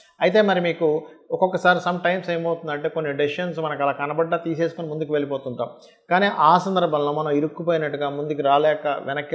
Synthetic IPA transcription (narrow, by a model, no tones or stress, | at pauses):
ɐjit̪̬e̞ːmɐɾimiːkuɔkɔkːɐsaːɾisɐmʈɐjmsejmɐwt̪und̪ɐɳʈeːkonːiɖiʃɐnsmɐnɐkɐlaːkɐnɐbɐɖːaːt̪iːseːsu̥konimund̪ukiʋe̞ɭipoːt̪unt̪aːm | kaːniːʔaːsɐnd̪ɐɾbʱɐmloːmɐnɐmiɾukːupoːjnɐʈːuɡaːmund̪ukiɾaːlɛːkɐ̰ʋʔɛnɐkːi